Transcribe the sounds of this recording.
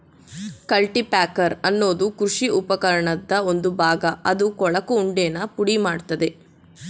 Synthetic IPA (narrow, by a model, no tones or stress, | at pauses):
kɐlʈipaːkɐɾɐnːo̞ːd̪ukɾuʂiʔupɐkɐɾɐɳɐd̪ːɐo̞nd̪ubʱaːɡɐɐd̪ukɔɭɐkuːɳɖeːnɐpuɽimaːɽt̪ɐd̪e̞